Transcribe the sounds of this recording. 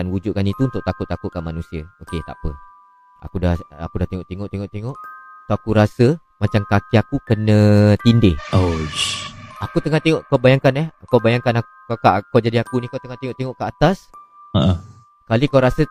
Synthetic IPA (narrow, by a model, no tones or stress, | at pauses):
anwud͡ʒʊʔ̚kanit̪uunt̪ʊʔ̚t̪akʊt̪ːakʊt̪̚kanmanũsiaoket̪a̰pə | a̰kudaha̰kudaht̪eŋoʔt̪eŋoʔt̪eŋɔʔt̪eŋɔʔt̪uakuɾasə | mat͡ʃamkakiakukənə̃t̪indɪho | akut̪əŋat̪eŋɔʔkawbajaŋkanɛhkawbajaŋkana | kakaʔkawd͡ʒadiakunikawt̪əŋat̪eŋoʔt̪eŋɔʔkəat̪as | əʔə | kalikawɾasə